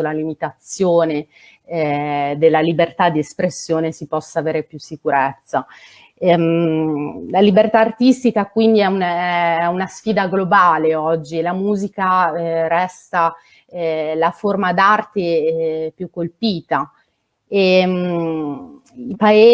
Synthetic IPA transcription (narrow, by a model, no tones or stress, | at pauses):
olalimit̪at̪sːjoːne | d̪elːalibert̪ad̪ːiespɾesːjoːnesipɔsːaːveːɾepjusːikuɾɛt̪sːa | ɛm | lalibert̪aːrt̪ist̪ikakwind̪iɛunɛunasfiːd̪aɡlobaːleɔd͡ʒːilamuːzikaɛɾɛst̪a | laformad̪art̪epjukːolpiːt̪a | em | ipaeː